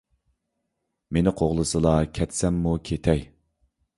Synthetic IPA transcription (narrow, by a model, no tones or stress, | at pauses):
menɪqʰoʁlˠɨsɨlˠɑkʲʰɛt̪sɛmːukʲʰet̪ʰɛj